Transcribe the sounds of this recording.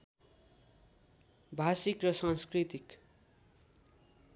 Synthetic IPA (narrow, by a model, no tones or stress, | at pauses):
bʱasikrʌsaŋskrit̪ik